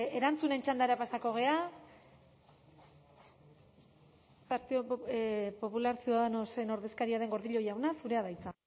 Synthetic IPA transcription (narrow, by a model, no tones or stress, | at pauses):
e̞ɾant͡sune̞nt͡ʃand̪aɾeapasako̞ɣ̞e̞a | paɾt̪iopo̞pulaɾsioðaðeno̞se̞no̞ɾðe̞skaɾiaðe̞ŋɡo̞ɾðiʎo̞jawnasuɾe̞aðajt͡sa